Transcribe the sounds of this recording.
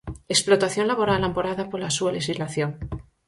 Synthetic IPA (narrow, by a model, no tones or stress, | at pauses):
eksplo̞t̪aθjo̞nlaβo̞ɾalampoɾaðapoɾlasualexizlaθjo̞ŋ